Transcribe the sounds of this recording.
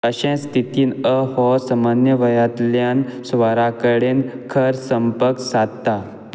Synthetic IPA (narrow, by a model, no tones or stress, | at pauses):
əɕẽst̪ʰit̪iːnəhɔsəmanjəʋəjat̪ljansʋaɾakəɽenkʰəɾsəmpəksad̪t̪a